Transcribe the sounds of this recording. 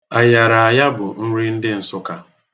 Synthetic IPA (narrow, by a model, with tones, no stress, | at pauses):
a˨ja˨ɾa˨a˨ja˦bʊ˨n̩˦ɾi˦n̩˦dɪ˦n̩˨sʊ˦ka˦